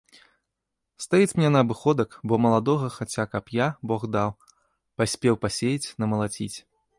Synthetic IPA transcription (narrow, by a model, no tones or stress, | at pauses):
st̪ajit͡sʲmʲnʲɛnɐɐbɨxɔd̪ɐkbɔmɐlˠad̪ɔɣɐxat͡sʲakɐpjabɔɣd̪aw | pasʲpʲɛwpasʲejit͡sʲnɐmɐlˠat͡sʲit͡sʲ